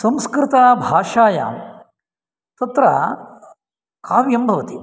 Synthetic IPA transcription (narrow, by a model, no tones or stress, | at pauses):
sɐmskɾɪt̪aːbʱaːʂaːja̰ːm | t̪ɐt̪ɾɐ | kʰaːʋjɐmbʱɐʋɐt̪i